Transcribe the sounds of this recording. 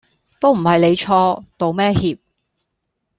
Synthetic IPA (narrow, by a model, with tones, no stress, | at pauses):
t̪o˥wm̩˨˩hɐ˨jne˨˧jt͡ʃʰɔː˧t̪o˨wmɛː˥hiː˨˧p̚